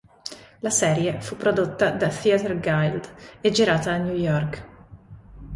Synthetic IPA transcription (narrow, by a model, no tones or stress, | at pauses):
lasɛːɾjefupːɾod̪ot̪ːad̪aθiat̪ɛrɡajld̪ed͡ʒiɾaːt̪aːnjujɔrk